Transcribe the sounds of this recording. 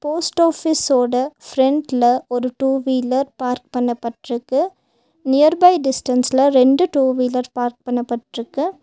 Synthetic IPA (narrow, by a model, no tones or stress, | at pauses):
poːsʈoːfisoːɽɐfɾɛɳɖlɐʔɔɾɯʈuːʋiːlɐɾpaːɾk̚pɐɳːɐpːɐʈrɯkːɯ | nɪjɐɾbɐɪɖɪsʈɐnslɐɾɛɳɖɯʈuːʋiːlɐɾpaːɾk̚pɐɳːɐpːɐʈrɯkːɯ